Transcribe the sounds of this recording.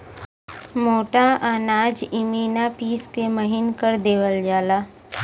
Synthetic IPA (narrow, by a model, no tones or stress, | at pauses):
moːʈaaːnaːd͡ʒimiːnapiːskeməɦɪnkəɾd̪eːʋəld͡ʒaːlaː